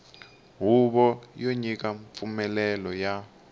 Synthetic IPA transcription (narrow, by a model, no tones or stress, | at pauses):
ɦuɓɔjoɲik̬aɱp̪fumɛlɛlɔja